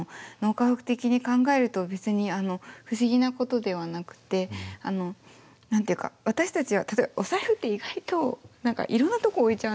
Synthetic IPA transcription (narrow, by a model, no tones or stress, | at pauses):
no̞ːkaɸakɯ̟̥t̪e̞kʲiɲ̟ikãŋɡae̞ɾɯ̟t̪o̞be̞t͡sɨɲ̟iano̞ɸɯ̟ɕiɡʲinako̞t̪o̞d̪e̞β̞anakɯ̟̥t̪e̞ano̞ | nãnt̪eiɯ̟ka̰βat̪aɕi̥t̪at͡ɕiβat̪ḁt̪oebaʔosaeɸɯ̟t̪ːe̞iɡait̪o̞nãŋka̰ʔiɾõ̞nːat̪o̞ko̞ːit͡ɕaɯ